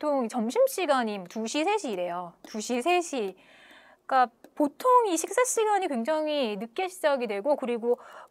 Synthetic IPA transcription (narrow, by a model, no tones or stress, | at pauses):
tʰoŋit͡ɕʌmɕʰimɕ͈iɡaɲimwoʌtuɕʰisʰe̞ɕʰiːɾe̞jotuɕʰisʰe̞ɕʰi | k͈apotʰoŋiɕʰik̚s͈aɕ͈iɡaɲikwe̞ŋd͡ʑaŋinɯk͈eɕʰi̥d͡ʑaɡidwe̞ɡokɯɾiɡo